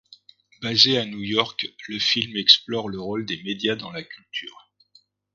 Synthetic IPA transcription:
bazeanujɔʁkləfilmɛksplɔʁləʁold̪emed̪jad̪ɑ̃lakʲylt̪ʰy̰ːʁ

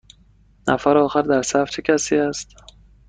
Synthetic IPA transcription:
næfæɾɒːxæɾd̪æɾsæft͡ʃʰecʰæsiːæst̪

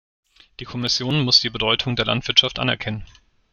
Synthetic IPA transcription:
d̥iːkʰɔmɪsjoːnmʊsd̥iːbədɔʏtʰʊŋdeːɐla̰ntv̥ɪɐtʃaftʔa̰nɛ̰ɐkʰɛnən

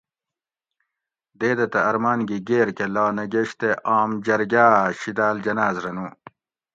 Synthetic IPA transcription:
d̪eːd̪ɐt̪ɐɐɾmaːnɡiɡeːɾkelaːnɐɡeɕt̪eʔaːmd͡ʑɐɾɡaːɕid̪aːld͡ʑɐnaːzɾɐnũː

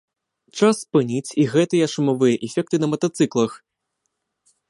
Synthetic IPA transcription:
t͡ʂasːpɨnʲit͡sʲiɣɛt̪ɨjɐʂumavɨjɐʔɛfʲɛk̚t̪ɨnɐmɐt̪at̪sɨklˠɐx

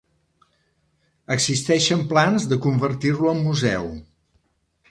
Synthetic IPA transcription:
əɡzist̪ɛʃəmplanzðəkumbəɾt̪irluəmːuzɛ̰w

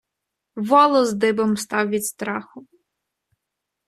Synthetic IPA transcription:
ʋɑlˠɔzd̪ɪbɔmst̪ɑwʋʲid̪st̪ɾɑxʊ

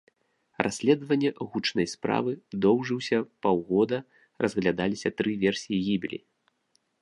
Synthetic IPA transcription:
rʔasʲlʲɛd̪vɐnʲːɛɣut͡ʂnɐjspɾa̰vɨd̪ɔwʐɨwsʲɐpawɣɔd̪ɐ | rɐzɣlʲad̪alʲisʲɐt̪ɾɨvʲɛrsʲijiɣʲibʲilʲḭ

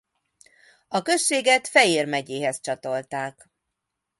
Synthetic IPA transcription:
ɒkø̞ʃːeːɡɛt̪fɛjeːrmɛɟeːɦɛst͡ʃɒt̪o̞lt̪aːk

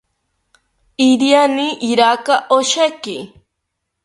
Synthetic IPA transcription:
iɾjaniʔːɾakaʔoʃeki

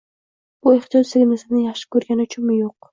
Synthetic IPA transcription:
bueχt̪ʰɪjɒt̪sɪlʲɪmɪsɪnɪjɑχʃɪ̥kʲʰɵɾɡʲanɪʊt͡ʃʰʊnmɪjoq̚

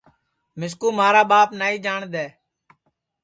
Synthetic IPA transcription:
mɪs̬kuːmaːɾaːɓaːpnaːiːd͡ʒaːɳd̪eː

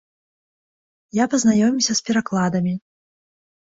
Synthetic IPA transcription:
japɐznajɔmʲiwsʲɐspʲɛɾaklˠad̪ɐmʲi

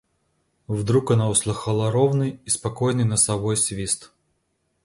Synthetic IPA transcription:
vd̪ɾukɐnauslˠɨxalˠɐɾɔwnɨjispakɔjnɨjnɐsɐβɔjsʲvʲist̪

